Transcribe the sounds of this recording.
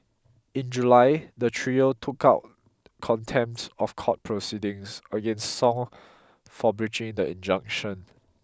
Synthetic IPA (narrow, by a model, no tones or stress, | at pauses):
ĩnd͡ʒulaɪdətʰɹiəltʰukaʊt̚ | kʰɔ̃ntʰɛ̃mptsɔfkʰɔt̚pʰɹosidĩŋsəɡẽnstsɔ̃ŋ | fɔbɹit͡ʃɪ̃ŋdəḭ̃nd͡ʒãŋkʃə̃n